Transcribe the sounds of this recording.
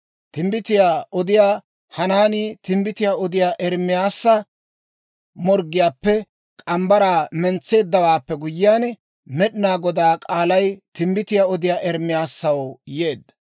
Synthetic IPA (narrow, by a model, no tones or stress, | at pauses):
t̪ɪmbɪt̪ɪjaːʔɔd̪ɪjaː | hɐnaːniːt̪ɪmbɪt̪ɪjaːɔd̪ɪjaːʔɛɾmːɪjaːsːɐ | mɔɾɡɪjaːpːɛ | kʼɐmbɐɾaːmɛnt͡sːe̞ːd̪ːɐwaːpːɛɡʊjːɪjaːn | mɛɗɪnaːɡɔd̪aːkʼaːlɐjt̪ɪmbɪt̪ɪjaːɔd̪ɪjaːʔɛɾmːɪjaːsːɐwje̞ːd̪ːɐ